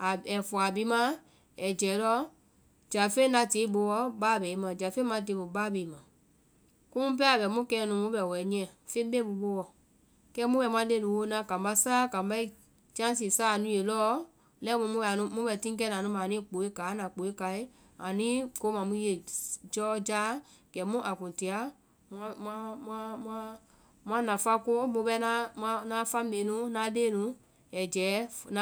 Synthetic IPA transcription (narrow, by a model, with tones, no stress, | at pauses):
a˨ɛ˨fɔ˨a˨bi˨˦mã˦ | ɛ˨d͡ʒɛː˨˦lɔ˦ | d͡ʒa˨fe˦nã˧te˨˦bo˧wɔ˧baː˦˨bɛ˨i˦mã˨d͡ʒa˨fe˦mã˧˦t̬e˨˦bo˨baː˦bɛ˨i˨˦mã˨ | kũ˦ũ˦p̬ɛ˦a˨bɛ˨mũ˦kɛː˧˦nũ˧mũ˦bɛ˨wɛ˨˦nĩ˧ɛ̃˨fẽ˦be˦bu˧ɓo˧˦wɔ˨ | kɛ˦mũ˦wɛ˨mã˨˧˦de˧˦˨nũ˨wo˧˦nã˦kã˨m˨ba˧˦saː˦kã˨ba˦i˦ | d͡ʒã˦s̬ĩ˨saː˦˨nũ˦je˧˨lɔː˦ | lɛ˦mũ˧˦mũ˦bɛ˧˨nũ˧˦mũ˦bɛ˧˨tĩ˦k̬ɛ˦nã˨nũ˧˦mã˨nĩ˦˨k͡po˨˦e˦kaː˨˦nã˨k͡po˨e˦ka˧˨i˦ | a˨nĩ˦ko˧˦mã˨mũ˦je˨d͡ʒɔː˦d͡ʒaː˦ | ɡ̥ɛ˨˦mũ˦ʔa˨kũ˨ti˨˧a˨˦ | mã˦mã˦mã˦mã˦ | mã˦nã˨fa˦ko˦mũ˧bɛ˧˦nã˦mã˧˦nã˦fã˦mẽ˨˦nũ˦nã˨˦deː˦nũ˨˦ | ɛ˨d͡ʒɛː˨˦na